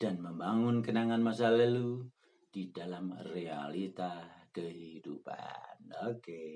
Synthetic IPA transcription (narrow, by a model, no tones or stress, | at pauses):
d̥anməmbaŋʊnkənaŋanmas̬aləlu | d̥idalamrea̰lit̪askəɦidupa̰noke